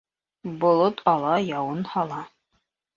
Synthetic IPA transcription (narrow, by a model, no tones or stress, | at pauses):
bŏlˠot̪ʰɑlˠɑjɑwɤnhɑlˠɑ